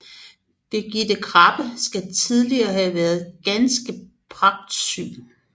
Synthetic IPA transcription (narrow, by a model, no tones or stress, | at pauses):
d̥e̝ɡ̥id̥əkʰʁɑb̥əsɡ̥æt͡sʰiðˠliɐːɦæʋæɐð̞ˠɡ̥ænsɡ̥əpʰʁɑ̈ɡ̥̚d̥sy̰ːl